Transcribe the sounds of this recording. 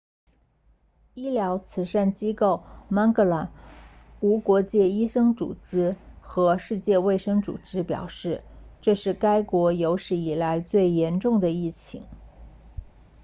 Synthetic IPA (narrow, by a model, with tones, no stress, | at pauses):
i˥ljɑ˧˥ʊt͡sʰɹ̩˧˥ʂa˥˩nt͡ɕi˥ko˥˩ʊma˥nkɤ˥˩la˧˥n | u˧˥kwɔ˧˥t͡ɕjɛ˥˩i˥ʂɤ˥ŋt͡sṵ˨˩t͡sɻ̩˥xɤ˧˥ʂɻ̩˥˧t͡ɕjɛ˥˧we˥˩ɪʂɤ˥ŋt͡sṵ˨˩ʈ͡ʂɻ̩˥pjɑ̰˨˩ʊʂɻ̩˥˩ʈ͡ʂɤ˥˧ʂɻ̩˥˩ka˥ɪkwɔ˧˥jo˧˥ʊʂɻ̩˧˩i˨˩la˧˥ɪt͡swe˥˩ɪjɛ˧˥nʈ͡ʂʊ˥˩ŋd̪ə˩i˥˩t͡ɕʰḭ˧˩˦ŋ